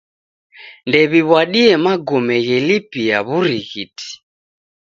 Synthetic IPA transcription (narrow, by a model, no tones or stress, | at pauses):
ndɛβiβwaɗiɛmaɡɔmɛɣɛlipijaβuɾiɣiti̥